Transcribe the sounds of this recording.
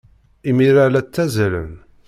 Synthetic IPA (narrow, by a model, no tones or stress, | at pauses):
imiɾalæt͡sːæzælə̰n